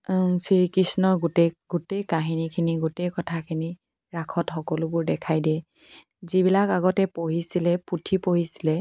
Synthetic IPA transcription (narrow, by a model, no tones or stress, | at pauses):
siɹikɹisnɔɹɡutɛɡutejkaɦinikʰiniɡutejkɔtʰakʰini | ɹakʰɔtxɔkɔlʊbʊɹdɛkʰajdɛ | zibilakaɡɔtɛpoɦisilɛputʰipoɦisilɛ